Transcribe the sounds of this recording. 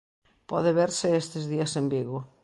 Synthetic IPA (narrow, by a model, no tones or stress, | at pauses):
pɔðɪβeɾsɪest̪ezðiɐsembiɣʊ